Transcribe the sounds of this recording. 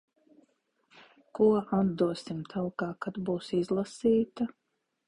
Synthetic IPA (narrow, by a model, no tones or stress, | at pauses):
kuɔad̪d̪uɔsimt̪ʰalkaːkad̪buːsizlˠasiːt̪a